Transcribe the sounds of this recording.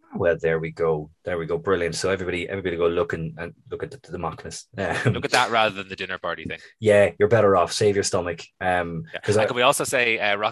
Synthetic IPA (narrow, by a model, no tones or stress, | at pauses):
awɛlˠðə˞wiɡoʊðə˞wiɡoʊbɹɪlˠjə̃ntsoʊɛvɹibɑɾiʔɛ̰vɹibɑɾiɡoʊlʊkə̃nə̃nlʊkət̪̚əəðəmɑknəsʌmlʊkət̪̚ðəʔ̚ɹaðə˞ðə̃nðədɪ̃nə˞pʰɑɹɾiθθɪ̃jæjə˞bɛɾə˞ɔfseɪvjə˞stʌmɪkʌ̃mjæɒzkə̃wiɔˑlˠsoʊseɪʌɹɑ